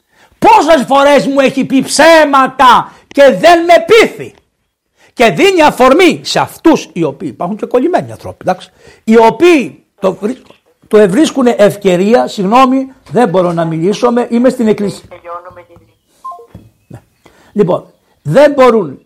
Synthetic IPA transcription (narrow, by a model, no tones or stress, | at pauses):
po̞s̬e̞sfo̞ɾe̞zmue̞çipipsemɐt̪ɐ | ce̞ðe̞nme̞piθi | ce̞ðiniɐfo̞ɾmiseɐft̪usio̞piːipɐɾxuɲceko̞lime̞niɐ̰nθɾo̞̰pid̪ɐks | io̞piː | t̪oɾi | t̪ue̞vɾiskuneʔefce̞ɾiɐsiɣno̞miðe̞mbo̞ɾonɐmiliso̞me̞ʔimest̪ineklisi̥ | ne | lipo̞̰n | ðe̞mbo̞ɾun